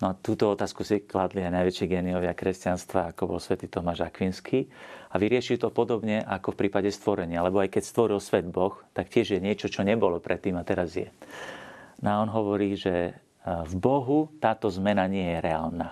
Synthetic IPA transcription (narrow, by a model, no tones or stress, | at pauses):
nɔat̪uːt̪ɔɔt̪aːskusiklad̪liajnajʋɛt͡ʃiɡɛːniɔʋɪakɾɛscanst̪ʋa̰akɔbɔ̰lsʋɛt̪iːt̪ɔmaʒakʋinskʰiːaʋiɾɪɛʃilt̪ɔpɔd̪ɔbɲɛʔakɔfpɾiːpaɟɛst̪ʋɔɾɛɲɪalɛbɔajkɛcst̪ʋɔɾilsʋɛd̪bɔxt̪akcɪɛʒjɛɲɪɛt͡ʃɔt͡ʃɔɲɛbɔlɔpɾʔɛt̪ːiːmat̪ɛɾazjɛ̰ | naɔnɦɔʋɔɾiːʒɛ | vbɔɦut̪aːt̪ɔzmɛnaɲɪɛjɛɾɛaːlna